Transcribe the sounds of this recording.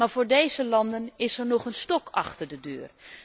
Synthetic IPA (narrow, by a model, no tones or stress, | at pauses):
maːɹvʊːɹdejzəlɑndənɪsɛɹnɔχənstɔkʰɑχtəɹdədøːr